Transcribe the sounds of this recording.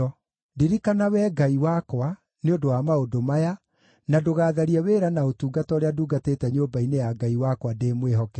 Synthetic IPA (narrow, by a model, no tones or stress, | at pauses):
diɾikanawɛɡaiwakwa | neondowamaodomaja | nadoɣaːðaɾiɛweːɾanaotuːɡatɔoɾejaduːɡateːtɛɲoːbainejaɡaiwakwadeːmweɦɔkɛ